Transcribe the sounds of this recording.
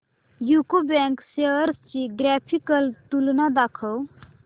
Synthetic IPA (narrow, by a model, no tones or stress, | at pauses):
jukobɛŋkseɾst͡ʃiɡɾɛːpʰikəlt̪ulnad̪akʰəw